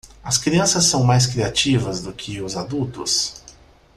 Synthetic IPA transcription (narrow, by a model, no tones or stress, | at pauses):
ɐskɾiɐ̃sɐsːɐ̃w̃majs̬kɾiat͡ʃivɐzd̪ʊkʰɪʊzad̪uwt̪ʊs